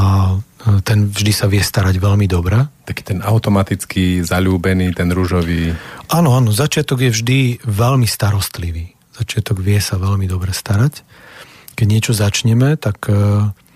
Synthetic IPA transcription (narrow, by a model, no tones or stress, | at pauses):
at̪ɛnvʒd̪isaʋɪɛst̪aɾaɟʋɛlmid̪ɔbɾɛt̪aki̥t̪ɛnaʊt̪ɔmat̪it͡skizaʎuːbɛniːt̪ɛnɾuʒɔʋiːʔanɔanɔzat͡ʃɪat̪ɔɡjɛvʒd̪iʋɛlmist̪aɾɔst̪liʋiː | z̥at͡ʃɪat̪ɔɡʋɪɛsaʋɛlmid̪ɔbɾɛst̪aɾac | kɛɟɲɪɛt͡ʃɔzat͡ʃɲɛmɛt̪ak